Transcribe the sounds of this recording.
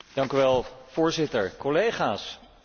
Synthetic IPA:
d̥ɑŋkyʋɛlˠv̥ʊːɹzɪtəɹkɔlejχaːs

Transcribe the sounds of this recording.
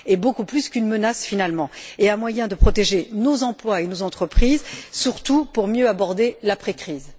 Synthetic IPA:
ebokuplyskynmənasfinalmɑ̃eãmwajɛ̃d̪əpχɔt̪eʒenozɑ̃plwaenozɑ̃t̪χəpχizsyʁt̪upuʁmjøabɔʁd̪elapχekχiːz

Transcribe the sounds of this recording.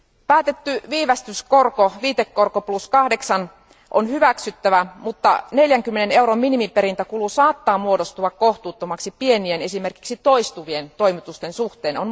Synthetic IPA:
pæːt̪e̞t̪ːyʋiːʋæst̪yskorkoʋiːt̪ekːo̞rkopluskɑhdeksɑn | ʔo̰nhyʋæksyt̪ːæʋæmut̪ːɑ̰ne̞ljæŋkymːenene̞wɾomminimipe̞ɾint̪ækulusɑːt̪ːɑːmuodost̪uɑkko̞ht̪uːt̪ːomɑksipie̞niene̞simerki̥ksit̪o̞ist̪uʋie̞nt̪o̞imit̪ust̪e̞nsuht̪eːnon

